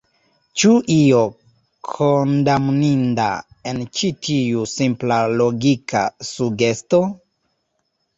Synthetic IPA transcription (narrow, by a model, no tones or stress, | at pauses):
t͡ʃuʔio | kʰondamninda̰ | ent͡ʃitʰiusimplaloɡika̰suɡesto